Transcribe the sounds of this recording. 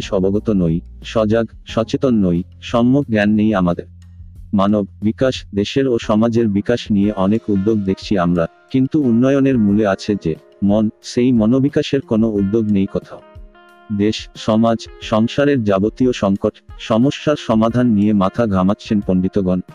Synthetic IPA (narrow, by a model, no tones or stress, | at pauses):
ʃɔboɡɔt̪onoj | ʃɔd͡ʑaɡ | ʃɔt͡ɕet̪onːoj | ʃɔmːok̚ɡɛnːejamad̪eɾ | manobːikaʃd̪eʃeɾoʃɔmad͡ʑeɾbikaʃnijeʔɔnekud̪ːoɡ̚d̪ekʰt͡ɕʰiamɾa | kint̪uunːɔjoneɾmuleat͡ɕʰed͡ʑe | monʃejmɔnobikaʃeɾkonoud̪ːoɡnejkɔt̪ʰao | d̪eʃʃɔmad͡ʑʃɔŋʃaɾeɾd͡ʑabot̪ioʃɔŋkoʈʃɔmoʃːaɾʃɔmad̪ʱanːijemat̪ʰaɡʱamatːɕʰenponɖit̪oɡɔn